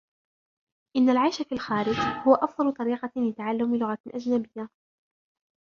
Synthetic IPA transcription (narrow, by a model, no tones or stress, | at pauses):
ʔɪnːalʕajʃafilxaːɾɪd͡ʒhʊwaʔɑfd̪ˤɑlʊt̪ˤɑɾiːqɑlɪt̪aʕalːʊmɪlʊɣaʔad͡ʒnabɪjːa